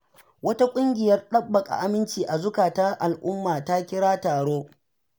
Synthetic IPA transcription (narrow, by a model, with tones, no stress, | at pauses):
wɐ˦ta˦kʷʼʊ˦ŋɡʲɪ˨jɐ˦rɗɐ˦bːɐ˨kʼa̰˨ʔa˦mɪ˦nt͡ʃiː˨ʔa˨zʊ˦kaː˨ta˦ʔa˨lʔʊ˦mːaː˨ta˦kʲɪ˦ɽaː˦taː˨ɽoː˦